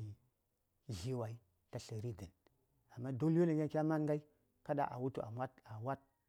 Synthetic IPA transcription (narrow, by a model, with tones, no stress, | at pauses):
ʒi˦wa˨i˦ | ta˨ɬə˨ɾi˦di˨n | a˨mːa˦do˦lwo˦li˨ɡʲa˦kʲa˦ma˦ŋɡa˦i˦ | ka˦ɗa̰˨ʔa̰˨wu˦tu˨a̰˨mʷa˦ta˨wa˦t̚